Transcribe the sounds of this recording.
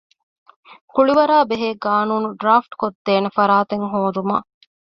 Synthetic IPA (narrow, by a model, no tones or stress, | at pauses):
kuɭiʋɐɾaːbeɦeːɡaːnuːnuɖɾaːfʈkod̪ːeːnefɐɾaːt̪eŋɦoːd̪uma̰